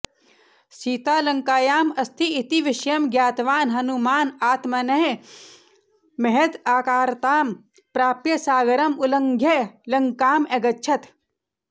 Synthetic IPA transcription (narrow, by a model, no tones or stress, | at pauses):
siːt̪aːlɐŋkaːjaːmɐst̪ʰiːt̪iʋɪʃjɐmɡjaːt̪ʋaːnɦɐnumaːnaːt̪mɐnɐɦe | mɐɦed̪aːkaːɾt̪aːm | pɾaːpjɐsaːɡɐɾɐmulɐŋɡʱjɐlɐŋkaːmeɡɐtːʃʰɐt̪